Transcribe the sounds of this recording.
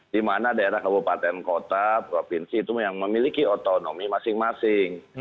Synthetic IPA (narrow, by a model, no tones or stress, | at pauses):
dimanadaeɾahkabupat̪ɛnkot̪apɾofinsiːt̪ujaŋməmilikiot̪onomimasɪŋmasɪŋ